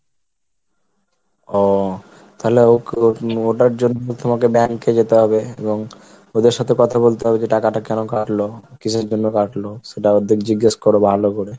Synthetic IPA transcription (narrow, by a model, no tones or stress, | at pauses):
ɔ | t̪aɦoleoooʈaɾd͡ʑonːoot̪ʰomakebɛanked͡ʑet̪eɦɔbeeboŋ | od̪eɾʃat̪ʰekɔt̪ʰabolt̪eɦɔbed͡ʑeʈakaʈakɛnokaʈlokit͡ɕʰeɾd͡ʑonːokaʈloʃeʈaod̪ʱikd͡ʑiɡːaʃkoɾobʱalokoɾe